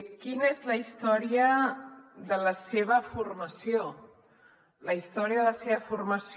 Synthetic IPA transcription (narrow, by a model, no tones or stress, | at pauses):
kinəezləist̪ɔɾiə | ðələseβ̞əfurməsio | ləist̪ɔɾiəðələseβəfurməs